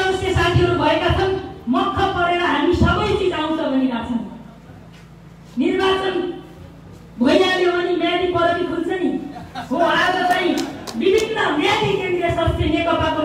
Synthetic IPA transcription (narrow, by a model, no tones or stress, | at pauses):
ʌmʌsjʌsat̪ʰiɦʌɾubʱʌekat͡sʰʌnmʌt̪ʰːʌpʌɾeɽʌɦamisʌbʌjt͡sit͡saw̃nsʰʌbʱʌnikat͡sʰʌw̃ | nirbat͡sʌn | bʱʌjalebʌnimjadipʌɾʌɾikʰult͡sʰʌniɦoaaɾʌt͡saĩbibʱinːʌmjadikend̪rijʌsʌst̪ʰjenekʌpako